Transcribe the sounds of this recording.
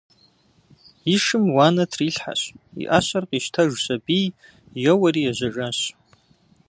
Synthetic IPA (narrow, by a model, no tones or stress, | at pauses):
iʂɨmwanatʰriɬħa̰ʃʷḭʔaɕʷarqʼiʃtʰaʒsʷabij | jawaɾiaʒʷaʈ͡ʂʼaɕ